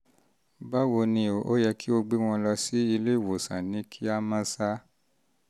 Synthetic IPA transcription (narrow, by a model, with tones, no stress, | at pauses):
ba˦wo˧nĩ˧o˨ʔo̰˦jɛ˧ki˦o˧ɡ͡be˦w̃ɔ̃˧lɔ˧si˦i˧le˦i˨wo˨sã̰˨nĩ˨˦kʰi˦a˦mã˦sa˦